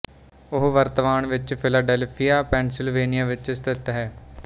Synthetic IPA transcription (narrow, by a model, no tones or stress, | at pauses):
ʊɦʋəɾt̪əʋaːnʋɪt͡ʃpʰɪlaːɖɛlpʰijaːpɛːnsɪlʋeːnijaːʋɪt͡ʃst̪ɪt̪ɦɛː